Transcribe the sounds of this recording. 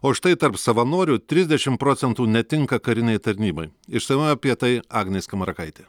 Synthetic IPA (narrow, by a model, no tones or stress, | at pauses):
oːʃt̪ɐɪt̪ɐɾpsɐʋɐnoːɾʲʊt̪ʲɾʲɪzʲd̪ʲɛʃʲɪmpɾoːt̪sʲɛnt̪uːnʲɛt̪ʲɪŋkɐkɐɾʲɪnʲɛɪt̪ɐɾʲnʲiːbɐɪɪʃsɐɪmɐɐpʲiɛt̪ɐɪɑːɡnʲeskɐmɐɾɐkɐɪt̪ʲeː